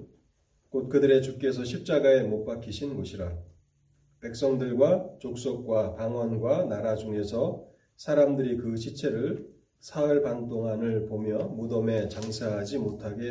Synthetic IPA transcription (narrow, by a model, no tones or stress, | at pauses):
kot̚kɯdɯɾe̞t͡ɕuk͈̚e̞sʰʌɕʰip̚t͡ɕ͈aɡae̞mop͈akʰiɕʰinɡʌɕʰiɾa | pe̞k̚s͈ʌŋdɯɭɡwat͡ɕok̚s͈ok̚k͈wapaŋwanɡwanaɾad͡ʑuŋe̞sʰʌ | sʰaɾamdɯɾikɯɕʰit͡ɕʰe̞ɾɯɭ | sʰaɯɭpaŋt͈oŋɦanɯɭpomjʌmudʌme̞t͡ɕaŋsʰaɦad͡ʑimotʰaɡe̞